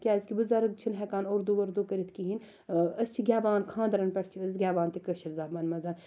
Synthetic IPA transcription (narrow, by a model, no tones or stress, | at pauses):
kʲjaːzkʲibɨzɐɾɨkt͡ʃʰinɦɛkaːnoɾd̪uʋɐɾd̪uːkɐɾit̪ʰkiɦin | ɐst͡ʃʰiɡʲaːʋaːnkʰãːnd̪ɐɾɐnpʲɐʈʰt͡ʃʰiɐzɡʲaːʋaːnt̪ikɐʃɐɾzaːbmɐnmɐzɐn